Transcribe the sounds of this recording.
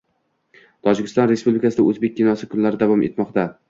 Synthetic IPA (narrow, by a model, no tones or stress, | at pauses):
t̪ʰɒd͡ʒɪkʲɪst̪ɒnɾespublɪkʰasɪd̪aɵzbe̞k̚ʲːinɒsɪkʰʊnlaɾɪd̪avɒmʔe̞̰t̪mɒqt̪a